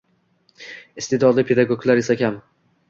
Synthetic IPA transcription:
ist̪id̪ɒlˠd̪apʰed̪aɡoɡlˠaɾisakʲʰam

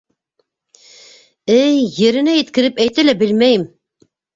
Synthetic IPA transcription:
ɘjːɘ̆ɾɘ̆næjɘ̆t̪kɘ̆ɾɘpæjt̪ælæbɘlmæjɘm

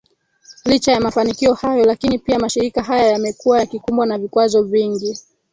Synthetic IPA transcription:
lit͡ʃajamafanikiɔhajɔlakinipiamaʃiɾikaɦajajamɛkuwajakikumbwanavikwazɔviŋɡi

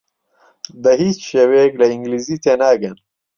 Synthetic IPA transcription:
d̪ɐɦiːt͡ʃʃeweklɐiŋɡlizit̪enaːɡɐn

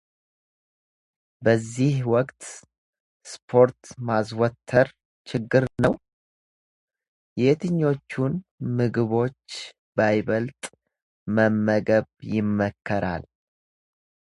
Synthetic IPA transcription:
bəzːihwɔkʼt̪ | spʰo̞ɾt̪mas̬wɔt̪ʰːəɾ | t͡ʃʰɪɡːɨɾnəw | jɛt̪ʰɨɲːo̞t͡ʃːunmɨɡɨβo̞t͡ʃː | bajβəlt̪ʼ | məmːəɡəβjɪmːəkʰːəɾʔa̰l

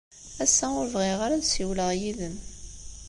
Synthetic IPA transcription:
æsːæʊɾvʁiʁaɾadsiwləʁjiðəm

